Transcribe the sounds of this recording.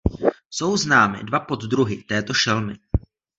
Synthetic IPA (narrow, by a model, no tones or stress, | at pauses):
so̞wznaːmɪ̰dvapo̞d̪d̪ɾuɦɪt̪ɛːt̪o̞ʃɛlmɪ̰